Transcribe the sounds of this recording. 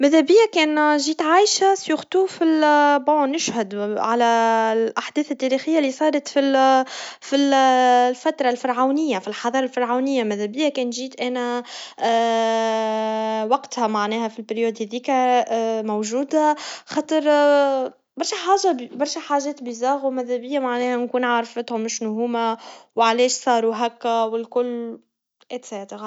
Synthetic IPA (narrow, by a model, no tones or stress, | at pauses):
mæðæbɪjːakɛːnʒiːt̪ʕaːjʃasjʊxt̪uːfilbonɪʃhʊd̪ʕalæʔaħd̪ɛːθɪt̪ːæːɾiːxɪjːalːisˤɑːɾˤɑt̪fi | fillfæt̪ɾˤɑlfɪɾˤʕawnɪjːafilħɑðˤɑːɾˤɑlfɑɾˤʕawnɪjːamæðæbɪjːakɛːnʒiːt̪ʔæːnæ | wɑqt̪hæmaʕnɛːhæfilpɪɾjuːd̪hæðiːkæmowʒuːd̪axɑːt̪ˤəɾˤ | bɑɾˤʃæħaːʒabbɑɾˤʃæħaːʒɛːt̪bizɑːɣwmæðæbɪjːamaʕnɛːhænkuːnʕaɾˤfət̪hʊmɪʃnʊɦuːmawʕlɛːʃsˤɑːɾˤuɦækːæwɪlkʊlː | ʔæt̪sɛːt̪əɣ